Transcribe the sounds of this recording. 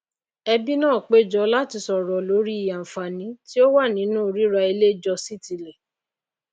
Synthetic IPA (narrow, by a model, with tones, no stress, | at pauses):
ɛ˧bi˦nãː˦˨k͡pe˦˨d͡ʒɔ˨˧la˦ti˧sɔ˨ɾɔ˨lo˨˦ɾi˦i˦˨ja˨fa˨nĩ˨˦ti˦o˦wa˦˨nĩ˨˦nũː˦˨ɾi˦ɾa˧i˧le˦d͡ʒɔ˧si˦ti˨lɛ˨